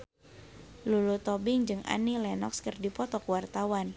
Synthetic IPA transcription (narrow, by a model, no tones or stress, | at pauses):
lulut̪ɔbɪŋd͡ʒɨŋʔa̰nilɛnɔ̰kskərdipɔt̪ɔkəwart̪awan